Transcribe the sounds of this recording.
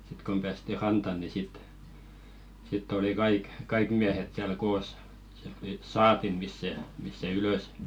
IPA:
sĭt kom b̥æːsti rɑntɑ ni sit sitː oli kɑik kɑik miæhet siæl koːs siælt tuli sɑːtimˑis se mist̆ se yløˑs

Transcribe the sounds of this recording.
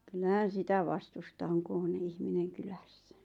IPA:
kylːæhæn̞ sitæ ʋɑstustɑ oŋ ku on ihmineŋ kylæsːæ̥

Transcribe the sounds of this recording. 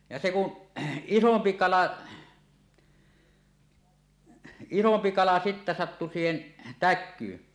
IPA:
jɑ se ku isompi kɑlɑ isompi kɑlɑ sitːæ sɑtːu siːhen tækˑyːn

